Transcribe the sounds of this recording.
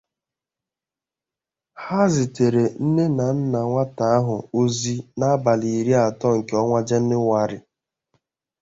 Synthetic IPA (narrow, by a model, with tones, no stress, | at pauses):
ha˦zɪ˨te˨ɾe˨n̩˦ne˦na˨n̩˦na˨ŋʷa˦ta˨a˦ɦʊ˨o˦zi˦na˦a˦ba˨li˨ɾi˦a˨tɔ˦ŋ̩˨ke˨˦ɔ˦ŋʷa˦d͡ʒe˦n̩˦nɪ˦ŋʷa˦ɾɪ̰˨